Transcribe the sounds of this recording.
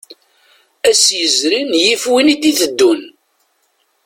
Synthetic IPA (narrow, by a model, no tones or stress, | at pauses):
æsjəzɾinjifwinid̪iθəd̪ːun